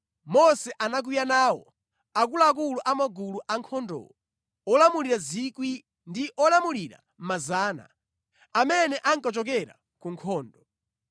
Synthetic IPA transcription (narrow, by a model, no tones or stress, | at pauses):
mɔsɛʔanak̬ujanaːwɔ̰ | ak̬ulaːk̬uluʔamɔɡuluʔaŋkʰɔndɔ̰ɔ | ɔlamuliɾazikwi | ndiʔɔlamuliɾa̰ | m̩mazaːna̰ | amɛnɛʔaŋkat͡ʃɔk̬ɛɾa̰ | kuŋkʰɔːndɔ